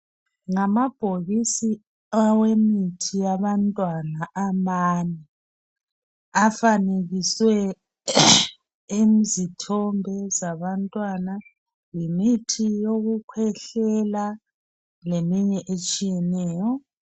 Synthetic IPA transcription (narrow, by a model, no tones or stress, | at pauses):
ŋamab̥ʱoɣisi | awemitʰijaβantʼwanaʔamani | afaneɣiswɛ | emzitʰɔmbʱɛzaβantʼwana | jimitʰijoɣukʰwɛɬɛla | lemiɲɛʔet͡ʃʼijɛnɛːjɔ